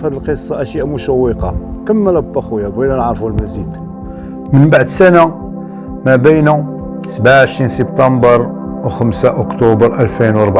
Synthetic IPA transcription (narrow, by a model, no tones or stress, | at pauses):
fhæd̪əlqəsˤːɑʔæʃjʔamʊʃæwːəqɑkəmːəlæbət̪ːɑxwjæbænænʕɾˤfulmæzid̪ | mənbaʕd̪sæna | mæbəjnæ | səbʕaʕəʃɾinsəb̚t̪ɑmbəɾˤ | wxəmsaʔʊkt̪ubəɾʔælfinwɑɾˤbʕ